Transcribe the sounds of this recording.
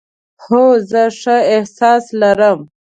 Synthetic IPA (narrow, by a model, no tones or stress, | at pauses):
hozəʂaɪhsɑːslaɾəm